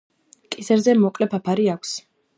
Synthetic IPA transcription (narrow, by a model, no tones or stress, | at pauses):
kʼisɛɾzɛmɔkʼlɛpʰapʰaɾiakʷʰs